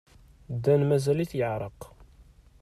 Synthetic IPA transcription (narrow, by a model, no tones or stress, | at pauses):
d̪ːænmæzæliθjəʕɾˤəq